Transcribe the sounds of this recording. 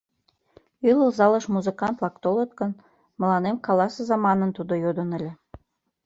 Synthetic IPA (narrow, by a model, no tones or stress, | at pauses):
ylə̆lzɑlə̆ʃmuzəkɑnt̪lɑkt̪olɤt̪kə̆n | mə̆lɑnemkɑlɑsezɑmɑnənt̪ud̪ojod̪ə̆nə̆lʲĕ